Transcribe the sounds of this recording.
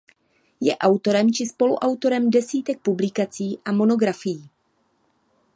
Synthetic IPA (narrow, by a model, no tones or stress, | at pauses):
jɛ̰ʔawt̪o̞ɾɛmt͡ʃɪspo̞lṵʔawt̪o̞ɾɛmdɛsiːt̪ɛk̚publɪkat͡siːʔamo̞no̞ɡɾafɪjiː